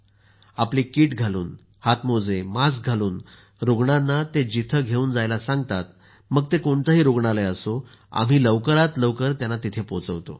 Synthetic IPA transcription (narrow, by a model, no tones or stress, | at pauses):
apliːkiːʈɡʱaluːn | hat̪mod͡zemasɡʱaluːn | ɾoɡɳanːat̪ed͡ʑit̪ʰəɡʱeuːnd͡zajlasaŋɡt̪at̪̚ | məɡ̚t̪ekoɳt̪əɦiːɾoɡɳaleəso | a̰m̤iːləʋkəɾat̪ləʋkəɾt̪janːat̪it̪ʰepot͡səʋt̪o̰